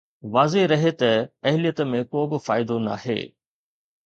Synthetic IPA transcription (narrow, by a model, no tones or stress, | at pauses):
ʋaːzeɾɐɦet̪ɐɐɦɪlijət̪mẽkoːbɪ̆faːɪd̪ona̰ːɦhḛː